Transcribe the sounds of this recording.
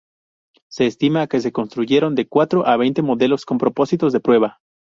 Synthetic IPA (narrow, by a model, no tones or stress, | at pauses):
se̞ːst̪imake̞s̬e̞ko̞nst̪ɾuʝe̞ɾo̞nd̪e̞kwat̪ɾoʔaβe̞jnt̪e̞mo̞ðe̞lo̞sko̞mpɾo̞po̞sit̪o̞zðe̞pɾwe̞βa